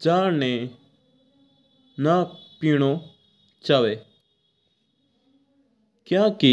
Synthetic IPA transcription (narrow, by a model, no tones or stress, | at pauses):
d͡ʒaːɾnẽː | naːpiːɳoː | t͡ʃaːʋeː | kjãːki